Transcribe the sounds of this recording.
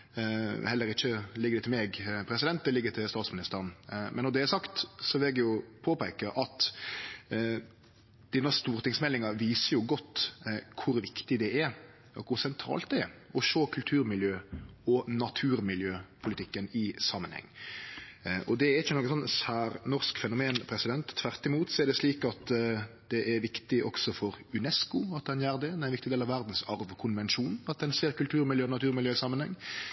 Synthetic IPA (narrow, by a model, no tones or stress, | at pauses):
hɛlːəɾɪçːəlɪɡːəd̪ɛt̪ɪmɛɡpʰɾɛsɪd̪ɛnt̪d̪ɛlɪɡət̪ʰɪlst̪ɑːt̪smɪnɪst̪əɾənmʔɛnːɔɾd̪ɛæɾsɑkt̪sɔʋɪlɛɡ̪jʊpʰoːpæɪkəʔɑt̪ | d̪̥ɪnːəst̪uːɾt̪ɪŋsmɛlːɪŋɑʋiːsəjʊɡɔt̪ːkʰʊɾʋɪkt̪ɪd̪ɛɛɾ | ɔkʰʊɾsɛnt̪ʰɾɑ̰ːlt̪̚d̪ɛɛ̰ɾɔʃoːkʰʉlt̪ʰʉːɾmɪljøːɔnɑt̪ʰʉːɾmɪljøːpʰʊlɪt̪ʰɪkːənɪsɑmːənhɛ̰ŋː | ʔɔd̪ɛæɾɪçːənɔkːəsɔnsæːɾnɔɾskfɛnʊmeːnpʰɾɛsɪd̪ɛnt̪ʰːʋæɾt̪ɪmuːt̪sɔɛɾd̪ɛsliːkɑt̪d̪ɛʔɛɾʋɪkt̪ɪʔɔ̰ksɔfɔɾʉnɛskʊɑt̪̚d̪ɛnjæːɾd̪ɛd̪ɛɪnɪkt̪ɪd̪eːlɑʋæɾd̪n̩sɑɾʋkʰʊnʋɛnʃuːnɑt̪̚d̪ɛnseːɾkʉlt̪ʰʉːɾmɪljøːɔnɑt̪ʉːɾmɪljøːɪsɑmːənhɛ̰ŋː